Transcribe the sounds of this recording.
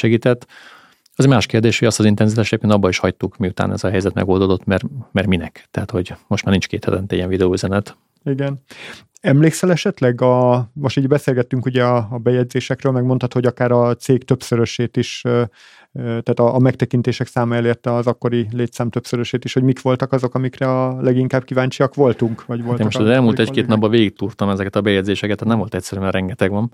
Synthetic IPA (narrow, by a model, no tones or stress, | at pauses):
ʃɛɡiːt̪ɛt̪ː | ɒzmaːʃkeːrd̪eːʃhoɟɒst̪ɒzint̪ɛnzit̪aːʃɛjɟeːpkent̪ɒbːɒiʃhɒct̪ukmiut̪a̰ːnɛ̰zɒɦɛjzɛt̪mɛ̰ɡo̞ld̪od̪o̞t̪ːmɛrmɛrminɛ̰kt̪ɛɦat̪ho̞ɟmo̞ʃtmarnint͡ʃkeːt̪hɛt̪ɛnt̪ɛijɛɱvid̪ɛoːyzɛnɛt̪ | iɡɛn | ɛmleːksɛlɛʃɛt̪lɛɡɒmo̞ʃt̪iːɟbɛseːlɡɛt̪ːyŋkuɟɛɒːbɛjɛɟzeːʃɛkrøːlmɛɡmo̞nt̪hɒt̪ho̞ɟɒkaːɾɒt̪seːkt̪ø̞psøɾø̞ʃeːt̪iʃ | t̪aːt̪ɒʔːmɛkt̪ɛkint̪eːʃɛksaːmɒɛleːrt̪ɛɒzɒkːo̞ɾileːt̪saːmt̪øpsøɾøʃeːt̪iʃho̞ɟmikʋo̞lt̪ɒkɒzo̞kɒmikrɛɒlɛɡiŋkaːb̚kivaːɲt͡ʃiɒkʋo̞lt̪uŋkʋɒɟʋot̪eːmmot̪ɒzɛlmuːlt̪ɛckeːt̪nɒbːɒveːɡik̚t̪urt̪ɒmɛzɛkɛt̪ɒbɛjɛɟdzeːʃɛkɛt̪ʰːæt̪nɛmvo̞lt̪ɛc̚ʲsɛɾyɛrɾɛŋɡɛt̪ɛɡʋɒn